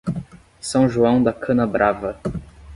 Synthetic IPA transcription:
sɐ̃w̃ʒuɐ̃w̃d̪ɐkʰɐ̃nɐbɾʔavɐ

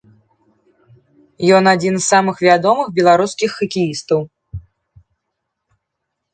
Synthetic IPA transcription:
jɔnad͡zʲinzːamɨxvʲad̪ɔmɨxbʲɛlˠaɾuskʲixːɐkʲijist̪ɐw

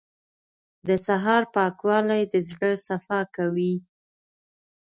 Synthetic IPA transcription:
d̪əsaɦɑɾpɑkwɑlajd̪əzɽəsafɑkawi

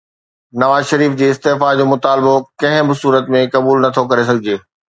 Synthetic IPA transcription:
nɐʋaːzʃɐɾiːfd͡ʑeːɪst̪eɦfad͡ʑoːmʊt̪aːlbokɐ̃ɦɪ̃bɪsuːɾət̪mẽkɐbuːlnɐt̪ʰokɐɾes̬ɐɡʱɪd͡ʑeː

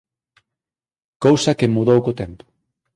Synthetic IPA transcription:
kowsɐkemuðowkot̪ɛmpo̥

